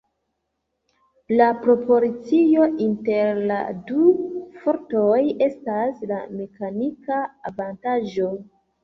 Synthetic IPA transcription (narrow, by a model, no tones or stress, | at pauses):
lapɾo̞pʰo̞ɾit͡sijo̞ʔinte̞ɾla̰dufo̞ɾtoje̞staslame̞kanikaːvantaʒo̞